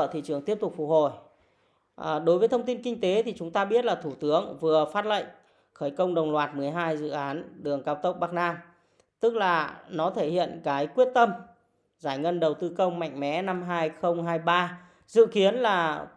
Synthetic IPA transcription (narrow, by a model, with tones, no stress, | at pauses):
ə˧˩t̪ʰḭ˧˨t͡ɕɨ˨˩əŋt̪i˦˥əp̚t̪ʊ˨˩k͡p̚fʊ̰˨˧˩k̚ho˧˩j | ɗo˨˦jvəː˨˦t̪ʰə˧ŋ͡mt̪i˧nkï˧ŋ̟t̪e˨˦t̪ʰi˨˩t͡ɕʊ˨˦ŋ͡mt̪aː˧ɓi˦˥ət̚laː˨˩t̪ʰu˧˩t̪ɨ˨˦əŋvɨ˨˩əfaː˦˥t̚lə̰˧˨ŋ | xəː˧˩jkə˧wŋ͡mɗə˨˩wŋ͡mlwaː˨˩t̚mɨ˨˩əjɦaː˧jzɨ̰˧˨ʔaː˨˦nɗɨ˨˩əŋkaː˧wt̪ə˦˥k͡p̚ɓaː˦˥k̚naː˧m | t̪ɨ˦˥k̚laː˨˩nɔ˨˦t̪ʰe˧˩hḭ˧˨ənkaː˨˦jkwət̚t̪ə˧m | zaː˧˩jŋə˧nɗə˨˩wt̪ɨ˧kə˧wŋ͡mma̰˧˨jŋ̟mɛ̰˨˦na˧mɦaː˧jxə˧wŋ͡mɦaː˧jɓaː˧ | zɨ̰˧˨ki˨˦ənlaː˨˩